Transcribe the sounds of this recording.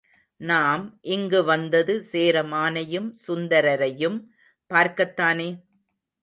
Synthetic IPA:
naːmʔɪŋɡɯʋɐnd̪ɐðɯseːɾɐmaːnɐjɯmsʊnd̪ɐɾɐɾɐjɯm | paːɾkɐt̪ːaːneː

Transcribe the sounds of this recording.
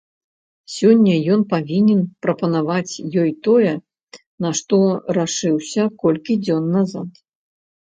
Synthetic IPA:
sʲɔnʲːɐjɔnpavʲinʲɛnpɾɐpɐnavat͡sʲjɔjt̪ɔjɛ | nɐʂt̪ɔɾaʂɨwsʲɐkɔlʲkʲid͡zʲɔnːazat̪

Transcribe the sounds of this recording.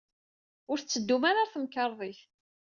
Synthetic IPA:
ʊɾθt͡sːəd̪ːumaɾaθəmkəɾˤðˤiθ

